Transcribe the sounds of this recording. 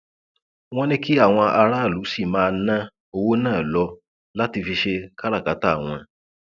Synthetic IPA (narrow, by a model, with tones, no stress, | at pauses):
w̃ɔ̃˦nĩ˦ki˦a˦˨w̃ɔ̃˧ʔa˧ɾa˦˨lu˨˦si˦˨mãː˦˧nã˦ | o˧wo˦nãː˦˨lɔ˧ | la˦ti˧fi˧ʃe˧ka˦ɾa˦˨ka˨˦ta˦˨w̃ɔ̃˧